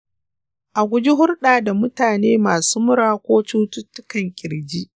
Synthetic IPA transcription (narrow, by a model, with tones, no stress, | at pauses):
ʔa˨ɡʷʊ˦d͡ʒi˦ɦʊ˦rɗaː˨da˨mʊ˦taː˨neː˦maː˨suː˦mʊ˦ɾaː˦kʷoː˦t͡ʃuː˦tʊ˦tːʊ˦kɐ˨ŋkʲʼɪ˨ɾd͡ʒi˦ʔ